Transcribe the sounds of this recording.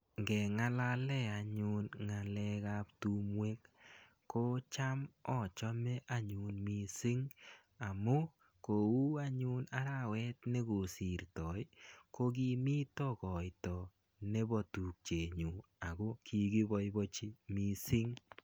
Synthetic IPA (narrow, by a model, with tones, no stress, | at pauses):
ŋɡɛ˨ŋa˦la˦lɛ˦a˨ɲu˦nŋa˨lɛ˦ka˦ptu˦mwe˦k | ko˦t͡ʃa˦mɔ˨t͡ʃɔ˦mɛ˦ʔa˦ɲu˨nmi˨˦sɪ˦ŋ | a˨mo˦ | ko˨u˦a˦ɲu˦na˦ɾa˦˨wɛ˦tnɛ˦ko˨si˨ɾtɔ˨jko˦ɡ̬i˦mi˦tɔ˦kɔ˨jtɔ˨ | ne˦bɔ˨tu˨k̚t͡ʃe˨ɲu˨a˨ko˦kʰi˦ɡi˦bɔ˦jbɔ˦t͡ʃi˦mi˦sɪ˦ŋ